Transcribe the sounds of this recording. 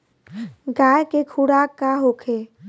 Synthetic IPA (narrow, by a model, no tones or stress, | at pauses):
ɡaːjkekʰuɽaːkːaɦoːkʰe